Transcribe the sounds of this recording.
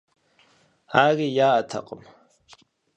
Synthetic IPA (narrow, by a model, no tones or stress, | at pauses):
aːrijaːtʰa̰qʼəm